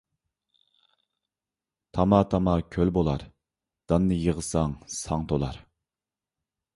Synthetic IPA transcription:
t̪ʰɑmɑt̪ʰɑmɑkʲʰølbolˠɑɾ | d̪̥ɑnːɨjəʁəsɑŋsʰɑŋt̪ʰolˠɑɾ

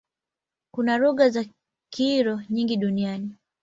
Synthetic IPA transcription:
kunaɾɔɣaza | kiɾɔɲiŋɡiɗuniani

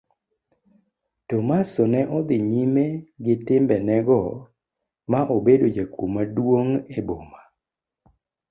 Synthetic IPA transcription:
tomasɔnɛʔɔd̪ɪɲimeɡɪtɪmbɛnɛɡɔ | maʔobedod͡ʒakomadwoŋeboma

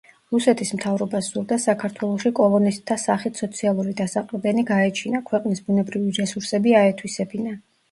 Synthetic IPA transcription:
ɾusɛt̪ʰismt̪ʰavɾɔbasz̥uɾd̪asakʰaɾt̪ʰwɛlˠɔʃikʼɔlˠɔnist̪ʰːasaχit̪ʰsɔt̪sʰialˠuɾid̪asaqʼlɛd̪ɛniɡaɛt͡ʃʰinakʰwɛqʼnisbunɛbɾiviɾɛsuɾsɛbiaɛt̪ʰwisɛbina

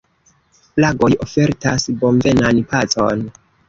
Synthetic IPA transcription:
plaɡo̞jo̞fe̞ɾtasbo̞mve̞nanpat͡so̞̰n

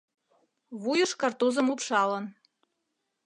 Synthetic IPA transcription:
βujə̆ʃkɑrt̪uzɤ̆mupʂɑlɤ̆n

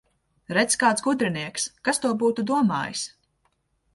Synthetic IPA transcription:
ɾɛt̪skaːt̪sɡud̪ɾiniɛkskast̪uɔbuːt̪ud̪uɔma̰ːjis

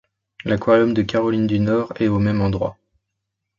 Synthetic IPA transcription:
lakwajɔmd̪əkaʁɔlind̪ynɔʁɛomɛmɑ̃d̪ʁwa̰

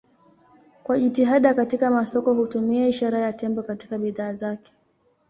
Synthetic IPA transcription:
kwaʄitiɦaɗakatikamasɔkɔhutumiɛiʃaɾajatɛmbɔkatikaɓiðaːzakɛ̥

